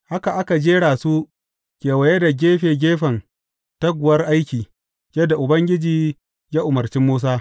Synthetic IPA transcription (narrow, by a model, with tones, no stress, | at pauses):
ha˦ka˨ʔa˦ka˨d͡ʒeː˦ɽaː˨su˦ | kʲeː˨wɐ˨je˦da˨ɡʲeː˦ɸeː˨ɡʲeː˦ɸɐ˨n | ta˦ɡʷʊ˨wɐ˦rʔa˦jkʲiː˨ | jɐ˦dːa˨ʔʊ˨bɐ˦ŋɡʲɪ˦d͡ʒiː˦ | jaː˦ʔʊ˨mɐ˨rt͡ʃɪ˦mːoː˦s̬aː˦